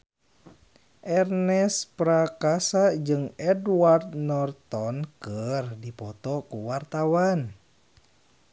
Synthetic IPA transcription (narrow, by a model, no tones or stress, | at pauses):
ʔɛrnɛspɾakasad͡ʒɨŋɛduward̪nɔrt̪ɔnkərdipɔt̪ɔkuwart̪awan